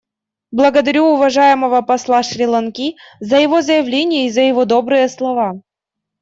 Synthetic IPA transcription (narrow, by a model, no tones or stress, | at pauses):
blˠəɡəd̪ɐɾʲuʊvɐʐajɪməvəpɐslˠaʂɾʲɪlˠɐnkʲizəjɪvozəjɪvlʲenʲɪjəizəjɪvod̪o̞bɾɨjəslˠɐva